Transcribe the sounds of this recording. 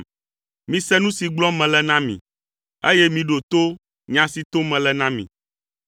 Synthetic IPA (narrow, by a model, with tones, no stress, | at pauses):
mĩ˨˦sɛ˦nũ˦si˨ɡ͡blɔ̃˦mɛ̃˨lɛ˦nã˦mḭ̃˨ | e˦jɛ˦mĩ˨ɖo˨t̪o˦ | ɲã˨si˨t̪o˦mɛ̃˨lɛ˨nã˦mḭ̃˨